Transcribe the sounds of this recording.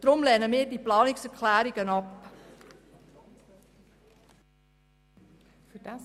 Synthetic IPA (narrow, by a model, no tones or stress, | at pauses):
d̥ɾʊmlɛːnəmiːɾdiːplɑːnɪksɛɾkʰlæːɾiɡənɑp